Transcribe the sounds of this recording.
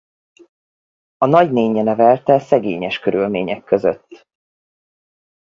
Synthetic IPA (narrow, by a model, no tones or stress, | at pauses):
ɒnɒɟneːɲːɛnɛvɛlt̪ɛsɛɡeːɲɛʃkøɾylmeːɲɛkːøzø̰t̪ː